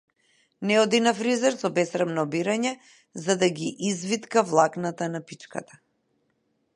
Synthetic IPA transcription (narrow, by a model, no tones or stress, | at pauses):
nɛɔd̪inafɾizɛɾsɔbɛsɾamnɔbiɾaɲɛ | zad̪aɡiʔizvit̪kavlˠaknat̪anapit͡ʃka̰t̪ḁ